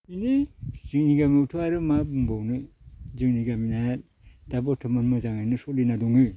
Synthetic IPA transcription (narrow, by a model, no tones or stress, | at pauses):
inizɯŋniɡamiutʰɯaɾɯmabɯmbawnɯ | zɯŋniɡaminaja | d̥abɔtʰɯmanmɯzaŋanɯsɔlinaduŋɯ